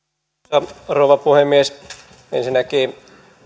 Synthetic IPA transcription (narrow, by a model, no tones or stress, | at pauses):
ɑrouʋɑpuhemmːies | ḛnsinːækiː